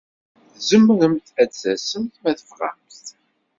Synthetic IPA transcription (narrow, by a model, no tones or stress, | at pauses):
zəmːəɾəmt̪æt͡sːæsənt̪mæθə̥fʁæ̰mst̪